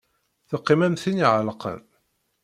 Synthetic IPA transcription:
θəqːɪmæmθiniʕəlqə̰n

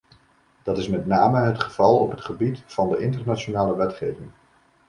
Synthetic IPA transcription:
d̥ɑtɪsmɛtnaːməɦətχəv̥ɑlˠɔpɦətχəbitfɑndəʔɪntəɹnat͡ʃonaːləʋɛtχejvɪŋ

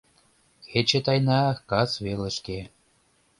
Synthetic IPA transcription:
xet͡ɕet̪ɑjnɑkɑsβelə̆ʃke

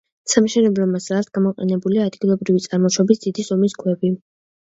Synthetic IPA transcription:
samʃɛnɛbɾɔmasɾat̪ʰɡ̥amɔqʼɛ̰nɛbuliaːd̪ɡilˠɔbɾivit̪sʼaɾmɔʃɔbisd̪̥id̪izɔmiskʰwɛbi

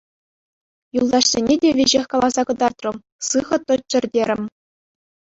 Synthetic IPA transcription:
julˠd̪ɑʂsʲenʲedʲeʋʲeʑexʲkɑlˠɑzɑkɤ̆d̪ɑrt̪rɤ̆m | sɯʁɤ̆t̪ɤ̆t͡ɕɘ̆rʲdʲeɾʲɘ̆mʲ

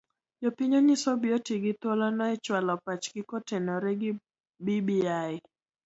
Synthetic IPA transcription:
jɔpiɲɔɲisɔbiɔtiɡɪt̪ɔlanɔɛt͡ʃwalɔpat͡ʃkikɔtɛnɔɾɛɡi | bibiaɪ

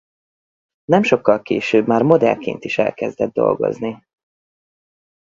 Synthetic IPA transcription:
nɛmʃo̞kːɒlkeːʃøːbmaːrmo̞d̪ɛ̰lkeːnt̪iʃɛ̰lkɛzd̪ɛd̪̚ːo̞̰lɡo̞̰zni

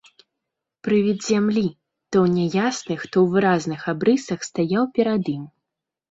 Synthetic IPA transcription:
pɾɨvʲid̪ʲzʲamlʲi | t̪ɔwnʲɛjasnɨxt̪ɔwvɨɾaznɨxabɾɨsɐxst̪ajawpʲɛɾad̪ɨm

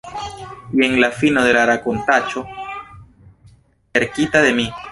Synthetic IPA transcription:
ie̞ŋlafinoðelaɾakont̪at͡ʃo | eɾkit̪aðemi

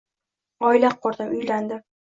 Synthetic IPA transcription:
ɒɪlaq̚ʰːɒɾd̪amʊjland̪ɪ

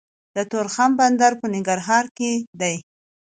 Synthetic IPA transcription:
d̪ət̪oɾxamband̪aɾpənɪŋɡaɾɦɑɾked̪aj

